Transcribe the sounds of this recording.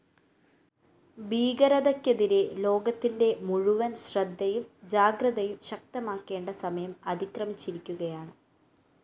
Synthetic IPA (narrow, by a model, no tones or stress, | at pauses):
biːɡɐɾɐðɐkːeðiɾelo̞ːɡɐt̪ːinde̞muɻuʋɐnɕrɐd̪ʱːɐjumd͡ʑaːɡrɐðɐjumɕɐk̚t̪ɐmaːkːe̞ːɳɖɐsɐmɐjɐmɐd̪ikrɐmit͡ɕːiɾikʲːuɣɐjaːɳɨ